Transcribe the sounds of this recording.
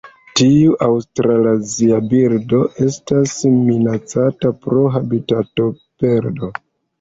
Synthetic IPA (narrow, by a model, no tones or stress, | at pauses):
tiuʔawstɾalaziabiɾdo̞ʔe̞stasminat͡satapɾo̞ɦabitato̞pe̞ɾdo̞